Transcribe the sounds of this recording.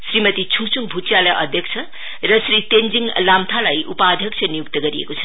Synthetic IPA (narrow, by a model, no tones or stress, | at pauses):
sɾimɐt̪it͡ʃʰuŋsʰuŋbʱut͡ʃijalajʔʌd̪ʱjek̚sʰɐ | ɾʌsɾit̪end͡ʒiŋlamt̪ʰalajʔupad̪ʱjʌksʰɐnijuk̚t̪ɐɡɐɾiḛkot͡sʰɐ̥